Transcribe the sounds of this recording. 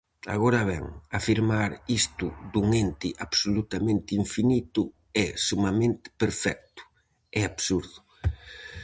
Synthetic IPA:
a̰ɣoɾaβɛ̰ŋafiɾmaɾist̪ʊd̪uŋent̪ɪʔaβsolut̪amẽnt̪ɪiɱfinit̪ʊ | ɛsumamẽnt̪ɪ̥peɾfɛk̚t̪ʊ̥ | ɛaβsuɾðʊ

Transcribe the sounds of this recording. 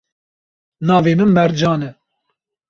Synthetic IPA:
nɑːveːmɨnmɛɾd͡ʒɑːnɛ

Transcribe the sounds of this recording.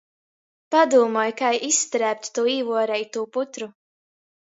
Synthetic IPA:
pad̪uːmɔjkajisːt̪ɾæːp̚t̪ʲt̪uːiːvuɔɾɛjt̪uːput̪ɾu

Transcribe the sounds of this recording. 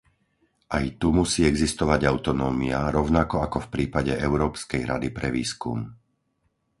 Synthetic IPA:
ʔajt̪umusiːɛɡzist̪ɔʋaɟaʊt̪ɔnɔːmiaɾɔʊnakɔakɔfpɾiːpaɟɛʔɛʊɾɔːpskɛjɾad̪ipɾɛʋiːskṵm

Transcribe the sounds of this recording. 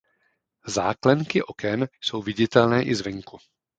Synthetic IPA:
za̰ːklɛŋkɪʔo̞kɛnso̞wvɪɟɪt̪ɛlnɛːʔɪzvɛŋku

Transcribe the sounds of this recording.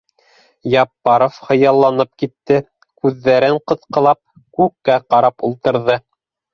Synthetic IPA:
jɑpːɑɾofχɤ̆jɑlˠːɑnɤp̚kit̪ːɘ | kʉðːæɾɘɴqɤ̆θqɤ̆lˠɑp̚ | kʉkːæqɑɾɑpulˠt̪ɤ̆ɾðɤ

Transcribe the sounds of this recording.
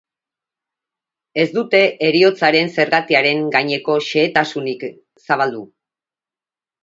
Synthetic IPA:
e̞zd̪ut̪e̞ʔeɾio̞t͡saɾe̞nse̞ɾɣat̪iaɾe̞ŋɡajɲe̞ko̞ʃe̞ːt̪asunik | saβ̞ald̪u

